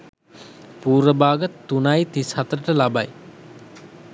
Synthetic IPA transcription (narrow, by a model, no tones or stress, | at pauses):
puːɾʋəbaːɡət̪ːunajt̪ishat̪əɾəʈəlabaj